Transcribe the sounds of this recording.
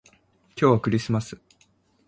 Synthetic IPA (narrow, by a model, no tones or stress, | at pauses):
kʲo̞ːβakɯ̟ɾʲisɨmasɨ̥